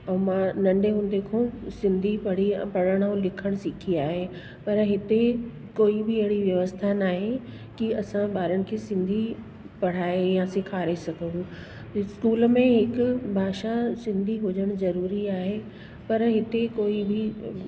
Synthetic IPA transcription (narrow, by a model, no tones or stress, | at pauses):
ɐ̃mãnɐ̃ɳɖeɦʊ̃nd̪ekʰõsɪ̃nd̪ʱipɐɽ̤ḭpɐɽ̤əɽ̃õlɪkʰəɽ̃sɪkʰiaːɦe | pɐɾɦɪt̪e | koːibɪɐɦɪɽiʋjɐʋəst̪ʰanaːɦe | kiɐsãɓaːɾəɽ̃̆kʰeːsɪ̃nd̪ʱi | pɐɽ̤aːejãsɪkʰaːɾesɐɡʱə̃nũ | skuːlmẽɦɪkʊ̆bʱaːʃasɪ̃nd̪ʱiɦʊd͡ʑəɽ̃zɐɾuːɾiaːɦe | pɐɾɦɪt̪ekoːibɪ